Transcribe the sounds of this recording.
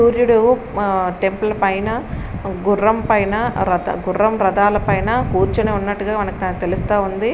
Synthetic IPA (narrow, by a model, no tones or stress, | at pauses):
uːɾjuɽu | ʈe̞mpɐlɐpɐjnɐɡurːɐmpɐjnɐɾɐɐ̰ɡurːɐmɾɐd̪aːlɐpɐjnɐkuːɾt͡ʃuneːunːɐʈːuɡaːmɐnɐkt̪e̞lust̪aːund̪i